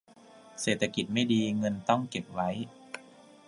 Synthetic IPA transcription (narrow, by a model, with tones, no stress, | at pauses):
seː˨˩t̪ʰːa˧ki˨˩t̪̚ma˥˩jdiː˧ŋɤ˧nt̪ɔ˥˩ŋke˨˩p̚wa˦˥j